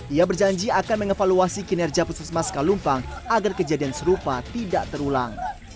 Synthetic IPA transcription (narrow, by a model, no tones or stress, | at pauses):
iabərd͡ʒaɲd͡ʒiakanməŋefaluasikinɛrd͡ʒiapususmaskalumpaŋaɡarkəd͡ʒadiansəɾupat̪idaʔt̪əɾula̰ŋ